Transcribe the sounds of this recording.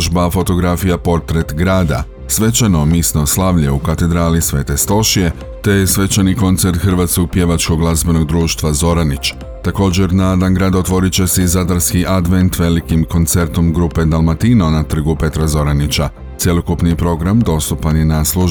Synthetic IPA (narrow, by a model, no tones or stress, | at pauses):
ʒbafo̞t̪o̞ɡɾafijapo̞ɾt̪ɾe̞t̪ɡɾaːd̪a̰ | sʋe̞t͡ɕano̞misno̞slˠaʋʎeukat̪e̞d̪ɾaːlisʋe̞ːt̪e̞st̪o̞ʃije̞ | t̪e̞jesʋe̞t͡ɕaniko̞nt̪se̞ɾt̪xr̩ʋaːt̪sko̞ɡ̚pje̞ʋat͡ʃko̞ɡlˠazbe̞no̞ɡd̪ɾuːʃt̪ʋazo̞ɾanit͡ɕ | t̪ako̞ːd͡ʑe̞ɾnad̪anɡɾaːd̪ot̪ʋo̞ɾit͡ɕe̞seizad̪aɾskiʔad̪ʋe̞nt̪ʋe̞likimko̞nt̪se̞ɾt̪o̞mɡɾupe̞d̪alˠmat̪inonat̪r̩ɡupe̞t̪ɾazo̞ɾanit͡ɕa | t̪sje̞lˠo̞kupnipɾo̞ɡɾamd̪o̞st̪upanjenaslˠuʒ